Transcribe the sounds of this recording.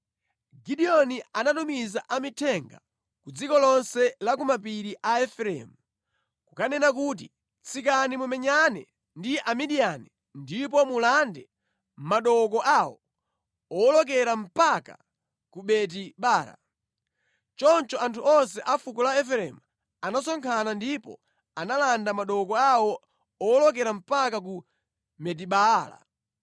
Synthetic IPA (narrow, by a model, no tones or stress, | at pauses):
ɡiɗiɔnianatumizaʔamitʰɛŋɡa̰ | kud͡zikɔlɔnsɛlak̬umapiɾiʔaɛfɾɛ̰mu | kukanɛnakuːt̬i | t͡sʰikanimumɛɲanɛ̰ | ndiʔamiɗiani | ndip̬ɔmulandɛ | maɗɔkɔʔawɔ | ɔlɔkɛɾam̩paka | kuɓɛt̬iɓaːɾa̰ | t͡ʃɔnt͡ʃɔantʰuɔns̬ɛʔafukɔlaɛfɛɾɛm | anasɔŋkʰanandipɔ̰ | analandamaɗɔkɔawɔ | ɔlɔk̬ɛɾam̩pakak̬u | mɛt̬iɓala̰